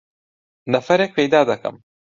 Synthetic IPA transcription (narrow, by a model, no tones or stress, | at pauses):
nɐfɐɾek̚pejd̪ɑːd̪aka̰m